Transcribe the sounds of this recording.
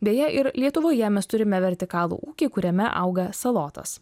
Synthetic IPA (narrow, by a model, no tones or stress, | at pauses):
d̪ʲeːjɛʔɪɾlʲiɛt̪ʊʋoːjɛmʲɛst̪ʊɾʲɪmʲɛʋʲɛɾʲt̪ʲɪkɑːlˠṵʔuːkʲikʊɾʲɛmʲɛ̰ʔɐ̰ʊɡɐsɐlˠoːt̪ɐ̰s